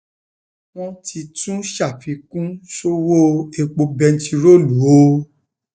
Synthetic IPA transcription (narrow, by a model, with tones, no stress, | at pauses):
w̃ɔ̃˦tʰi˧tũ˦ʃa˦˨fi˨˦kũ˦ʃo˦wo˦e˧k͡po˧bɛ˧n̩˦ti˧ɾo˦˨lu˨˦o˧˦